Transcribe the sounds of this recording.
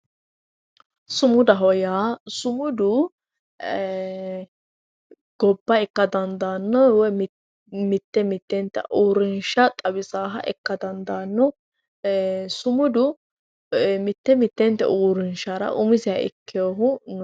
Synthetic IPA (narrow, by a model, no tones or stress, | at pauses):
sʊmʊd̪ɐɦɔjaːsʊmʊd̪ʊ | ɡ̥ɔbːɐɛkːɐd̪ɐnd̪aːnːɔwɛ | mɪt̪ːɛmɪt̪ːɛnt̪ːɛ̰ʔuːɾɪnʃɐt̪ʼɐbɪsaːɦɐʔɛ̰kːɐd̪ɐnd̪anːɔ | sʊmʊd̪ʊ | mɪt̪ːɛmɪt̪ːɛnt̪ːɛ̰ʔuːɾɪnʃɐɾɐ̰ʔʊmɪsɪjɐɪ̰kːɪjoɦʊn